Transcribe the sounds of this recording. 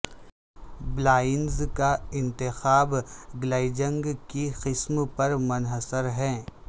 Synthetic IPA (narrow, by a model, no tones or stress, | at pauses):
blaːɪnzkaɪ̃nt̪ɪxaːbɡlaːɪd͡ʒə̃ŋɡkiqɪsmpɐɾmʊnɦəsəɾɦɛ̃ː